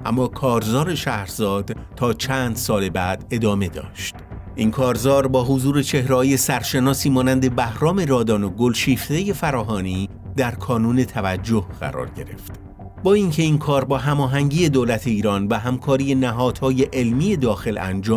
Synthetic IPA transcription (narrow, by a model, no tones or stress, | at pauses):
ʔæ̰mːɒːkʰɒːɾzɒːɾe̞ʃæhɾzɒːd̪̥ | t̪ʰːɒːt͡ʃʰænd̪̥sɒːle̞bæd̪̥e̞d̪ɒːme̞d̪ɒ̰ːʃt̪ | ʔinkʰɒːɾzɒːɾbɒːɦozuːɾe̞t͡ʃʰe̞hɾehɒːje̞sæɾʃe̞nɒːsiːmɒːnænd̪e̞bæhɾɒːme̞ɾɒːd̪ɒːno̞ɡolʃiːft̪e̞je̞fæɾɒːɦɒːniː | d̪æɾkʰɒːnuːne̞t̪ʰævæd͡ʒːo̞hɣ̥æ̰ɾɒ̰ːɾɟe̞ɾe̞̰ft̪ | bɒːiŋcʰe̞inkʰɒːɾbɒːɦæmɒːɦæŋɟiːje̞d̪oːlæt̪ʰe̞iːɾɒːnvæɦæmkʰɒːɾije̞næɦɒːd̪̥hɒːje̞ʔelmiːje̞d̪ɒːxe̞læ̰nd͡ʒɒːm